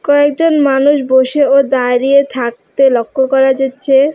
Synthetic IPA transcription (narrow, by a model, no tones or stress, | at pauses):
kɔek̚d͡ʑonmanuʃboʃeod̪aɾiet̪ʰak̚t̪elokʰːokɔɾad͡ʑatːɕʰe